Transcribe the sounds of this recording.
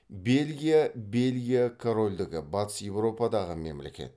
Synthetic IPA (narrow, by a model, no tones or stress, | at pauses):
be̞lʲɡʲijabe̞lɡʲijakʰoɾo̞lʲd̪ɪɡʲɪbɑt̪ə̥sje̞wɾo̞pɑd̪ɑʁəme̞̰mlḛkʲe̞̰t̪